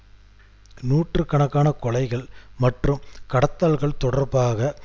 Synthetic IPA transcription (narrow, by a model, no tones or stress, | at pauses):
nuːʈrɯkːɐɳɐkːaːnɐkɔɭɐɪɣɐɭmɐʈrɯmkɐɽɐt̪ːaːlɣɐɭt̪ɔɽɐrbaːɣɐ